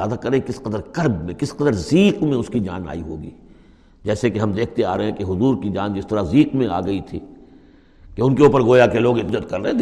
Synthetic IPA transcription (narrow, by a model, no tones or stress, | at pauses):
aːd̪akɐɾẽkɪsqɐd̪əɾkɐɾbmẽkɪsqɐd̪əɾziːqmẽʊskid͡ʒa̰ːna̰ːiɦo̰ːɡḭː | d͡ʒɛːsekeɦɐmd̪eːk̚ʰt̪eaːɾɐɦɛ̃keɦʊzuːɾkid͡ʒaːnd͡ʒɪst̪əɾaziːqmẽa̰ːɡɐit̪ʰḭː | keʊnkeuːpəɾɡoːjakeloːɡɪt̪d͡ʒət̪kɐɾːɐɦɛ̃ːd̪